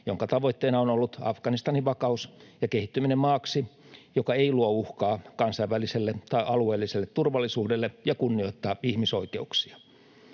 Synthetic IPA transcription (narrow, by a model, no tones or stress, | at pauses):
joŋkɑt̪ɑʋoit̪ːeːnɑonolːut̪ɑ̰fɡ̥ɑnist̪ɑniʋʋɑkɑusjɑkehit̪ːyminemmɑːksi | jokɑeiluouhkɑːkɑnsɑiʋæliselːet̪ɑiʔɑlueːlːiselːet̪turʋɑlːˑisuːdelːejɑkunːio̞it̪ːɑːihmisoikeuksiɑ̥